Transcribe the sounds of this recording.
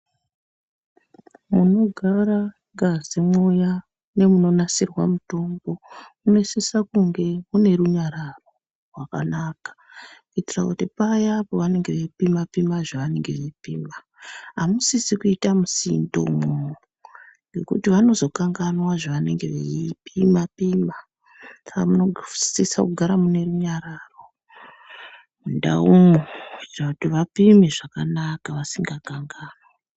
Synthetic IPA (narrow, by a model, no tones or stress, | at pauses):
muno̞ɡʱaɾa | ŋɡazemoja | ne̞muno̞nasirwamuto̞mbo̞mune̞sisakuŋɡe̞mune̞ɾuɲaɾaro̞ | rwaka̰nakḁkuitira̰kutipajapo̞ʋane̞ŋɡe̞ʋepimapimaʐaʋane̞ŋɡe̞ʋepiːma | ɦamusisikuitamusindo̰muo | ɡe̞kṵtiʋano̞zo̞kaŋɡanwaʐaʋane̞̰ŋɡe̞ʋeipimapima | sakamunosisa̰kuɡʱaɾamune̞ruɲaɾaro̞ | munda̰umurakutiʋapimeʐakanakaʋasiŋɡakaŋɡaːnwa